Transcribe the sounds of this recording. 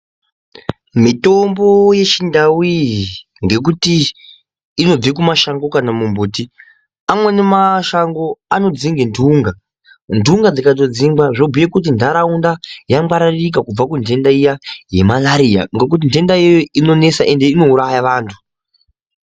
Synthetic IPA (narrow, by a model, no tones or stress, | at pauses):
mito̞mbo̞je̞t͡ʃindawi | ŋɡe̞k̬utiː | no̞d͡zekumaʃaŋɡo̞kanamumbuːti | amwe̞ne̞maʃaŋɡo̞ano̞d͡ziŋɡendʱuŋɡa | ndʱuŋɡad͡zikato̞d͡ziŋɡaʐobʱujekut̬indʱaɾaundajamɡaɾaririk̬akub͡vakuntʰe̞ndaijaje̞malaɾia̰ŋɡe̞k̬ut̬inde̞ndajijoino̞ne̞saʔe̞nde̞ino̞uɾajaʋaːntʰu̥